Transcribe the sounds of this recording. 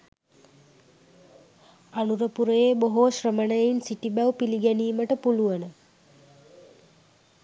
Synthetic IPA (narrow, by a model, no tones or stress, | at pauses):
anuɾəpuɾəjeboɦoːʃrəmənəjinsiʈibæwpiliɡæniːməʈəpuluʋənə